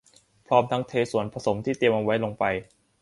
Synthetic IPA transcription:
pʰɾɔː˦˥mt̪ʰa˦˥ŋt̪ʰeː˧su˨˩˦ənpʰɾa˧so˩˦mt̪ʰiː˥˩t̪i˧əmʔa˧wa˦˥jlo˧ŋpa˧j

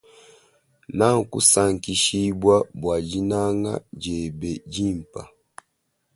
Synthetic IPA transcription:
na˦ŋ˨kṵ˦sa˦˨ŋ˨ki˦ʃi˦bwa˦bwa˨d͡ʒi˦na˦ŋa̰˦d͡ʒɛ˨bɛ˨d͡ʒi˦˨m˨pa̰˨

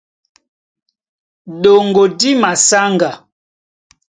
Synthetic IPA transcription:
ɗo˨ŋɡo˨di˦ma˨sa˦ŋɡa˨

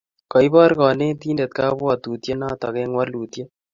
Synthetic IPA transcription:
kɔ˨i˦bɔ˦ɾkɔː˨ne˦t̪i˦nde˨t̪̚kaː˦bɔ˨t̪u˨t̪je˦naː˦t̪ɔ˨kɛ˦ŋwa˦lu˨t̪je˦

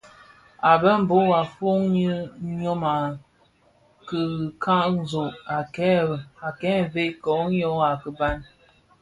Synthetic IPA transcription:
a˨bə˦m̩˦bo˦a˨fo˦ŋɲə˦ɲo˦ma˨ | kə˨kʰa˦ʔzo˨ʔa˨kɛ˦˨a˨kɛ˦˨ve˦kɔ˨˦ɲɔ˦a˨kə˨ba˦n

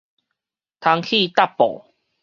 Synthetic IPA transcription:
t̪ʰa˧ŋkʰi˥˧˨t̪a˥˨pːɔ̰˨˩

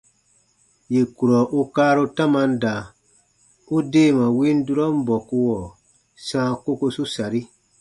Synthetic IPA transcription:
je˨ku˨ɾɔ˨ʔu˦kaː˦ɾo˦tã˦mã˧n̩˦da˨ | u˦deː˦˨mã˨wĩ˦n˦du˦ɾɔ˦m̩˦bɔ˨ku˧wɔ˨ | sãː˦ko˦ko˧su˦sa˨ɾi˦

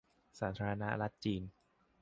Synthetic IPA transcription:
saː˩˦t̪ʰaː˧ɾa˧na˦˥ɾa˦˥t̪̚t͡ɕiː˧n

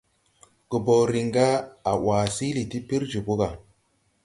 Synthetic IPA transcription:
ɡ̥ə˨bo˨ɾi˨ŋɡa˦a˨waː˨si˦li˨ti˦pi˦ɾd͡ʒu˨bu˦ɡa˨

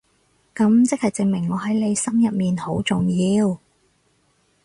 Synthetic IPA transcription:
kɐ˨˥mt͡sɪ˥k̚hɐ˨jt͡sɪ˨ŋmɪ˨˩ŋːɔː˨˧ɦɐ˨˥jle˨˧jsɐ˥mjɐ˨p̚miː˨˩nho˨˥wt͡sʊ˨ŋjiː˧w

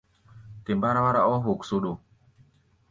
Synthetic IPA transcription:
ke˨mba˦ɾa˦wa˦ɾa˦ʔɔ˦ɦo˨kso˨ɗo˨

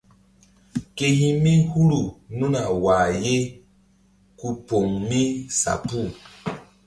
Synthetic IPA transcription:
ke˨hi˦mi˦ŋ̩˦hu˦ɾu˨nu˦na˨wa˨je˦ | ku˦po˨ŋmi˦sa̰˨pu˦˨

